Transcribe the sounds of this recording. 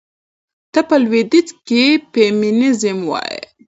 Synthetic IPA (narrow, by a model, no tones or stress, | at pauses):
t̪əpəlwed̪it͡skepeminizəmwɑ̰jḛ